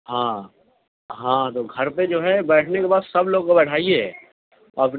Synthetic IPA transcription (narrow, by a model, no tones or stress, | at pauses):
ɦãː | ɦãːt̪oɡʱɐɾped͡ʒoːɦɛbɛːʈʰnekebaːd̪sɐbloːɡ̚kobɛːʈʰaːie | ɔɐp